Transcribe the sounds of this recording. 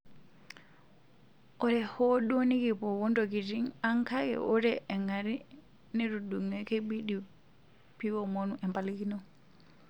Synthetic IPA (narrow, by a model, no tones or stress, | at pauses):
ʔɔɾɛhɔɗoniɡibɔwɔndoɡiɾiŋaŋkaɡɛ̰ʔɔɾɛʔɛŋaɾi | nɛɾuduŋɛkɛɓiɗi | piwɔmonuʔɛmpalikinɔ